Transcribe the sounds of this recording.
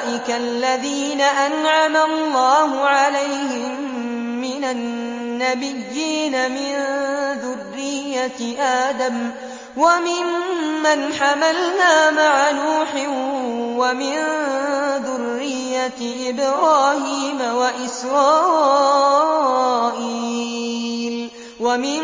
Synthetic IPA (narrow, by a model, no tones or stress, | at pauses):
ʔɪkalːaðiːnaʔanʕamalˤːɑːhʊʕalajhɪmː | ɪnanːabɪjːiːnamɪnðʊrːɪjːaʔaːd̪am | wamɪmːanħamalnaːmaʕanuːħɪnwamɪn | ðʊrːɪjːa | ʔɪbɾɑːhiːmawaʔɪsɾˤɑː | ʔiː | l | wamɪ